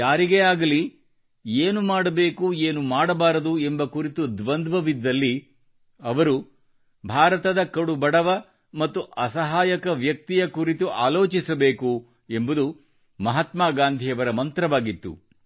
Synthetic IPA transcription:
jaːɾiɡeaːɡɐli | eːnumaːɽɐbe̞ːkueːnumaːɽɐbaːɾɐd̪uembɐkuɾit̪ud̪ʋɐnd̪ʋɐʋid̪ːɐlːi | ɐʋɐɾu | bʱaːɾɐt̪ɐd̪ɐkɐɽubɐɽɐʋɐ | mɐt̪ːuʔɐsɐɦaːjɐkɐʋjɐk̚t̪ijɐkuɾit̪uʔa̰ːlo̞ːt͡ʃisɐbe̞ːku | embud̪u | mɐɦɐt̪maːɡaːnd̪ʱiɐʋɐɾɐmɐnt̪ɾɐʋaːɡit̪ːṵ

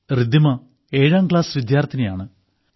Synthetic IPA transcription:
rid̪imɐ | e̞ːɻaːmkɭaːsʋid̪jaːrt̪ʰːinɐjaːɳɨ

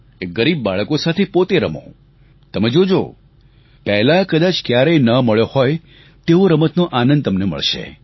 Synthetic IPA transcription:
ek̚ɡəɾib̚ːaɭəkosat̪ʰepot̪eɾə̰mõ̰ | t̪əmed͡ʒod͡ʒo̰ | pɛɦlakəd̪at͡ʃkjaɾenəməɭjohɔj | t̪eoɾəmət̪noʔanənd̪t̪əmnemə̰ɭʃḛ

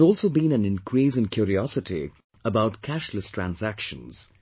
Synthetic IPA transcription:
zɔːlˠsoʊbĩnæ̃nɪ̃nkʰɾisɨ̃nkjuːɾiɔsɨti | əbaʊtkʰæʃləstʰɹæ̰̃nzækʃə̃nz̥

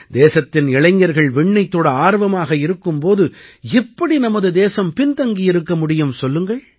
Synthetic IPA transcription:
d̪eːsɐt̪ːɪnɪɭɐɪɲːɐɾɣɐɭʋɛɳːɐɪt̪ːoːɽɐaːɾʋɐmaːɣɐɪɾɯkːɯmpoːðɯɛpːɐɽinɐmɐðɯd̪eːsɐmpɪnt̪ɐŋɡijɪɾɯkːɐmʊɽɪjɯmsɔlːɯŋɡɐɭ

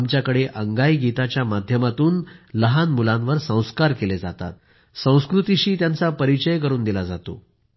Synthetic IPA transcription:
mt͡ɕjakəɽeʔəŋɡajɡit̪at͡ɕjamad̪ʱjəmat̪uːnləɦanmulãnʋəɾsə̃w̃skaɾkeled͡za̰t̪a̰t̪̚ | sə̃w̃skɾut̪iɕiːt̪jant͡sapəɾit͡ɕəjkəɾuːnd̪ilad͡zat̪o̰

